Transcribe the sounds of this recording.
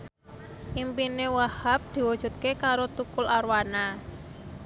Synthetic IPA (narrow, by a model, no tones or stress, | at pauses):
ʔimpinewahap̚d̪̥i̤wud̥ʒ̥ṳt̪̚kekaɾot̪ukʊlʔarwana